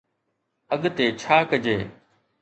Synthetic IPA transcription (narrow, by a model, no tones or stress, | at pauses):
əɠt̪eːt͡ʃʰaːkəd͡ʒeː